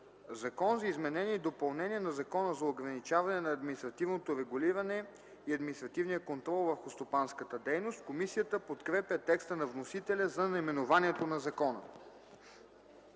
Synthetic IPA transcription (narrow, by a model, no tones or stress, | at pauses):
zɐkɔnzɐizmɛnɛnʲiːd̪opɐlˠnɛnʲiɛnɐzɐkɔnəzɐoɡɾɐnit͡ʃavɐnɛnɐːd̪minist̪ɾɐt̪ivnot̪oɾɛɡuliɾɐnɛ | iɐd̪minist̪ɾɐt̪ivnijəkont̪ɾɔlˠvəɾxʊst̪opanskət̪əd̪ɛjnost̪komisijət̪əpot̪kɾɛpʲjət̪ɛkst̪ənɐvnosit̪ɛlʲɐzɐnɐimɛnovaniɛt̪onɐzɐkɔnə̰